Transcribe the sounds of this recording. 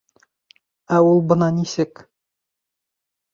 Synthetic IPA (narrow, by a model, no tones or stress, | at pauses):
æulˠbɤ̆nɑnisɘk